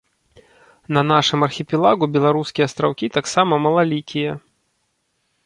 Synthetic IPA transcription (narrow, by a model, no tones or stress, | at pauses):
nɐnaʂɨmɐrxʲipʲɛlˠaɣubʲɛlˠaɾuskʲijɐst̪ɾawkʲit̪aksamɐmɐlˠalʲikʲʰijɐ